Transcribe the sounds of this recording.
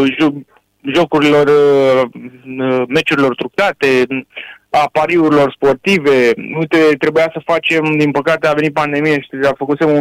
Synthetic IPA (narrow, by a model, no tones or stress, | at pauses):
ʒo | ʒo̞kuɾilo̞r | me̞t͡ʃuɾilo̞rt̪ɾuk̚t̪at̪e̞ | apaɾiuɾilo̞rspo̞rt̪ive̞ujt̪e̞t̪ɾe̞bujasəfat͡ʃe̞md̪inpəkat̪e̞avenit̪̚pand̪e̞mijaʃi̥t̪afəkut̪semu